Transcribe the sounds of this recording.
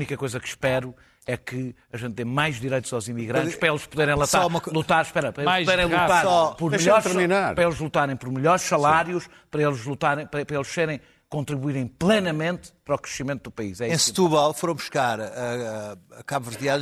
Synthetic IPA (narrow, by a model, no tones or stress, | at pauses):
unikɐkojzɐkʃpɛɾu | ɛkɨɐʒẽnt̪ːẽj̃majʒd̪iɾejt̪uz̥awzimiɣɾɐ̃nʃpɾɐelˠʃpuðeɾẽj̃lˠɐsɔɾumɐlˠut̪aɾʃpɛɾɐpɾɐemajpðeɾẽj̃lˠuat̪aɾsɔpɔɾmʎɔɾt̪ɾminaɾpɾɐelˠʒlˠut̪aɾẽj̃pɔɾmɨʎɔɾʃsɐlˠaɾjuʃ | pɐɾɐelˠʒlˠut̪aɾẽj̃pɾɐpɾɐelˠʃseɾẽj̃ | kõnt̪ɾiβuiɾɐ̃j̃plˠenɐmẽnt̪pɐɾɔkɾɨʃimẽnt̪ud̪upɐḭʃɛẽst̪uβɔlˠfoɾɐ̃w̃bu̥ʃkaɾɐ | kaβvɨɾðja